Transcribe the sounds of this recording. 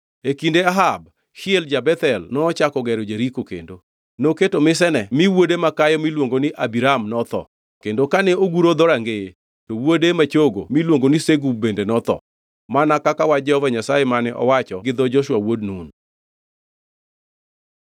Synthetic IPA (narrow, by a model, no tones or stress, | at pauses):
ekindeaɦab̚ | hɪeld͡ʒabɛt̪ɛlnɔːt͡ʃakɔɡɛɾod͡ʒeɾikokḛndo | noketomɪs̬ɛnɛmiwodemakajɔmilwoŋɡonɪʔabiɾamnɔt̪ɔ̰ | kendokanɛoɡuɾod̪oɾaŋɡee | towodemat͡ʃoɡomilwoŋɡonɪseɡub̚bendenɔt̪ɔ̰ | manakakawad͡ʒɛhɔvaɲasajemanɛʔɔ̰wat͡ʃɔɡɪd̪ɔd͡ʒɔʃwawodnun